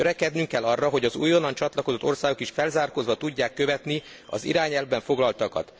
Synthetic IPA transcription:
øɾɛkɛd̪nyŋkːɛlːɒrːɒɦo̞ɟɒzṵːjo̞nːɒnt͡ʃɒt̪lɒko̞zo̞t̪ːo̞rsaːɡo̞kiʃfɛlzaːrkozʋɒt̪uɟːaːkːø̞vɛt̪ni | ɒ̰zḭɾaːɲɛlvbɛɱfo̞ɡlɒlt̪ɒkɒ̰t̪

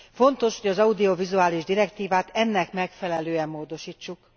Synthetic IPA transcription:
fo̞nt̪o̞ʃho̞ɟɒzɒud̪io̞vizuaːliʒd̪iɾɛkt̪iːvaːt̪ɛnːɛkmɛkfɛlɛløːɛmːoːd̪o̞ʃiːt͡ʃːuk

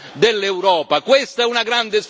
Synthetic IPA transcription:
d̪elːeuwɾɔːpakwest̪aɛunaɡɾand̪es

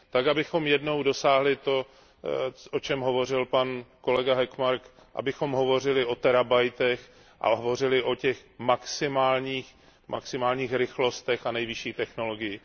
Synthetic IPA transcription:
t̪akabɪxo̞mjɛdno̞wdo̞saːɦlɪt̪o̞ | ʔot͡ʃɛmɦo̞vo̞rɪlpanko̞lɛɡaɦɛkmaɾk | ʔa̰bɪxo̞mɦo̞vo̞r̝ɪlɪʔo̞t̪ɛɾabajt̪ɛx | ʔa̰ɦovo̞r̝ɪlɪʔo̞cɛxmaksɪmaːlɲiːx | ma̰ksɪmaːlɲiːxɾɪxlo̞st̪ɛxanɛjvɪʃiːt̪ɛxno̞lo̞ɡɪjɪ

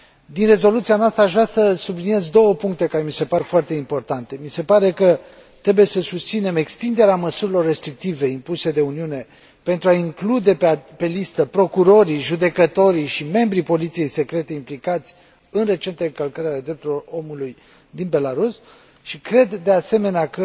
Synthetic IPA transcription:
d̪inre̞zo̞lut̪sianoast̪ɾəaʃvɾʲasəsublinije̞zd̪o̞wəpuŋk̚t̪e̞kaɾe̞mise̞paɾefoart̪e̞impo̞rt̪ant̪e̞mise̞paɾe̞kə | t̪ɾe̞buje̞səsust̪sine̞me̞kst̪ind̪e̞ɾeaməsuɾilo̞rːe̞st̪ɾik̚t̪ive̞impuse̞d̪e̞uniune̞ | pent̪ɾuaiŋklud̪e̞ppe̞list̪əpɾo̞kuɾo̞ɾiʒud̪e̞kət̪o̞ɾiʃime̞mbɾipo̞lit̪sije̞jse̞kɾe̞t̪e̞implikat̪sʲ | ɨnre̞t͡ʃe̞nt̪eɨŋkəlkəɾeaed̪ɾe̞p̚t̪ulelo̞ro̞muluj | d̪inbe̞laɾus | ʃikɾe̞d̪ːe̞ase̞me̞neakə

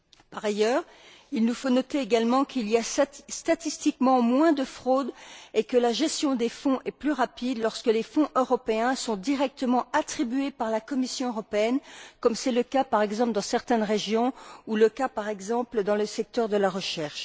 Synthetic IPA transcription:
paʁajœːʁ | ilnufonɔt̪eːɡalmɑ̃kʰiliast̪at̪ist̪ikmɑ̃mwɛ̃d̪əfχod̪ekəlaʒɛst̪jɔ̃d̪efɔ̃ʔɛplyʁapid̪lɔʁskəlefɔ̃ʔøʁɔpeɛ̃sɔ̃d̪iʁɛk̚t̪əmɑ̃at̪χibɥepaʁlakɔmisjɔ̃øʁɔpeɛnkɔmsɛləkapaʁɛɡzɑ̃pləd̪ɑ̃sɛʁt̪ɛnʁeʒjɔ̃uləkapaʁɛɡzɑ̃pləd̪ɑ̃ləsɛk̚t̪œʁd̪əlaʁəʃɛʁʃ

